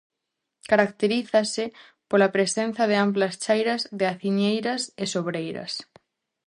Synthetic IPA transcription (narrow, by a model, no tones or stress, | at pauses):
kaɾakt̪eɾiθasɪ | polapɾesen̟θaðeamplɐst͡ʃajɾazðeaθiɲejɾasesoβɾejɾɐ̰s